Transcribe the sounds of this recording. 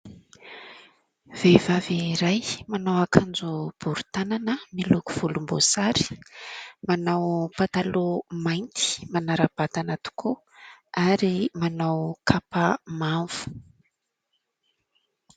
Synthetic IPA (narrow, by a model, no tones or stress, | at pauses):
v̥evaviɾajmanawakʰand͡zub̥uɾu̥t̪ananəmiluku̥v̥ulumbo̰saɾi̥ | manawpat̪alomajnt̪i̥manaɾab̥at̪anat̪u̥kʰu | aɾimanawkʰapamaɱv̥u̥